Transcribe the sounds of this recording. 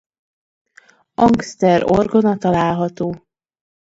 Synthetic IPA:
ɒŋkst̪ɛɾo̞̰rɡonɒt̪ɒlaːlɦɒt̪oː

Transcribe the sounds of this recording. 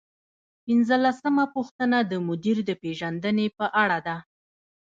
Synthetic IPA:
pinzəlasəmapuxt̪ənad̪əmʊd̪iɾd̪əpeʒand̪ənepəʔaɽad̪a

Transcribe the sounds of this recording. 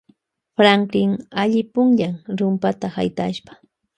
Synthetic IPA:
pɾaŋkɪŋaʎɪpʊŋʎaŋɾʊmpat̪ahajt̪a̰ʃpḁ

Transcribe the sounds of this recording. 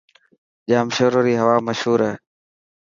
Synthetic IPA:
ʄaːmʃoːɾoːɾiːɦəʋaːməʃhuːɾɛː

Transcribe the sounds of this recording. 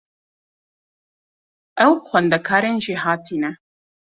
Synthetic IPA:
ʔɛwxʷwɛnd̪ɛkʰaːɾeːnʒiɦaːt̪ʰiːnɛ

